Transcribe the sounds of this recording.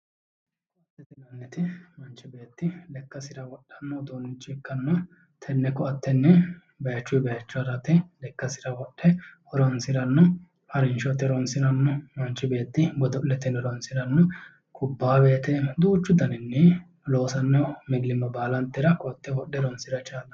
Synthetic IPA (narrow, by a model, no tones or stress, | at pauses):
ɐt̪ːɛt̪ɪnɐnːɛt̪ɪmɐnt͡ʃːɪbeːt̪ːɪlɛkːɐsɪɾɐwɔɗːɐnːɔd̪onɪt͡ʃʼːɪkːɐnːɔ | t̪ʰɛnːɛkɔɐt̪ːɛnːɛ | bɐjɐt͡ʃːʊjbɐjɐt͡ʃːʊɐɾɐt̪ɪlɛkːɐsɪɾɐwɔɗːɛhɔɾɔnsɪɾɐnːɔ | hɐɾɪnʃɔt̪ːɛɾɔnsɪɾɐnːɔmɐnt͡ʃːɪbe̞ːt̪ːɪbɔd̪ɔlːɛt̪ɪnːɛɾɔnsɪɾɐnːɔ | kʰʊbːaːbe̞ːt̪ɛd̪uːt͡ʃːʊd̪ɐnɪnːɛ | lo̞ːsɐnːɔmɪɡlɪmːɐbaːlɐnt̪ːɛɾɐkɔɐt̪ːɛwɔɗːɛɾɔnsɪɾɐt͡ʃaːlːɐ